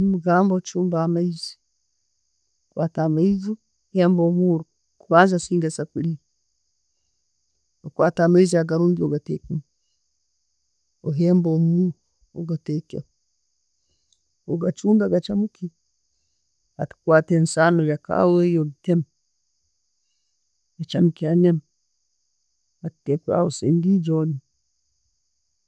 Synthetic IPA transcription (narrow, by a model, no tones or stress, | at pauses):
muɡambɔt͡ʃumbamaizi̥ | kwatamaizu | hɛmbɔmuɾu | kuβanzasiŋɡasakiɾi | okwatamaiz̬aɡaɾuːŋɡioɡatekum | ɔɦɛmbomuɾ | oɡatɛkḛ | oɡat͡ʃundaɡat͡ʃamuki | atkwatɛnsanojaka̰wejoɡtɛm | jat͡ʃamkianɛm | attɛka̰osendid͡ʒɔdi